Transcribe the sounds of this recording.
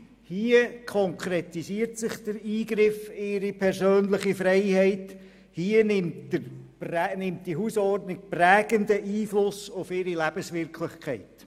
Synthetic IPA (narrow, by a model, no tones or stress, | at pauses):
hiːəkʰɔŋkʰɾɛtisiːəɾtsɪχd̥əɾiːɡɾɪfɪɾipʰɛɾsøːnlɪχifɾɛɪhɛɪt | hiːənɪmtə | nɪmtd̥iɦusɔrdnɪk̚præːɡ̥əndəʔiːflʊsʊfɪɾilæb̥əsʋɪɾkʰlɪχkʰɛɪt